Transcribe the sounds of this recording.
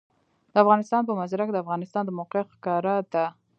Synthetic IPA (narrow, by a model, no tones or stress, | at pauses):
d̪̥əafɣɑnɪst̪ɑnpəmazɾakd̪əafɣɑnɪst̪ɑnd̪əmoqɪxkɑɾad̪a